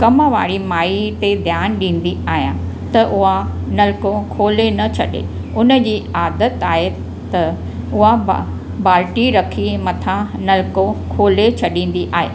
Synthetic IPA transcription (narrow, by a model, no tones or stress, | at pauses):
kɐməʋa̰ːɽimaːit̪ed̪ʱjaːnɗĩːn̆d̪iaːɦijã̰ | t̪ɐʔʊɦanɐlkokʰoːlenɐt͡ɕʰɐ̰ɗḛ | ʊnəd͡ʑiːaːd̪ət̪aːɦe | t̪ɐ | ʊɦa | baːɾʈiɾɐkʰimɐt̪ʰãnɐlkokʰoːlet͡ɕʰɐɗĩːn̆d̪iʔaːɦḛː